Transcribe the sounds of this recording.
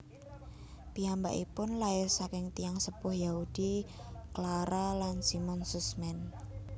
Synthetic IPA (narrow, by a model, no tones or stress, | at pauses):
piamba̰ʔipʊnlaɪrsakɪŋt̪ijaŋsəpʊhjaud̥iklaɾalansimɔnsusmɛn